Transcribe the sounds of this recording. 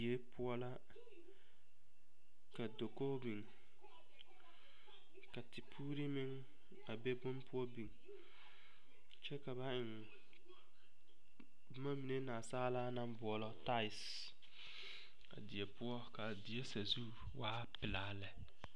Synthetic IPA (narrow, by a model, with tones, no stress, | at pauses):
e˦pʊ˦ɔ˦la˦ | ka˨do˨ko˦bi˨ŋ | ka˨tɪ˨pʰuː˦ɾi˦mɪ˦ŋ | a˨be˦bʊ˦npʊ˦ɔ˦bi˨ŋ | t͡ʃɛ˦ka˨βa˦ɪ˨ŋ | bʊ˦ma˦mi˨ne˦naː˨saː˦laː˦na˦mbʊ˨ɔ˨lɔ˦ta˦ɪ˨s | a̰˨dɪ˨e˨pʊ˦ɔ˦ka˨dɪ˨e˦sa˨zu˦ | waː˦pɪ˨laː˨˦lɛ˨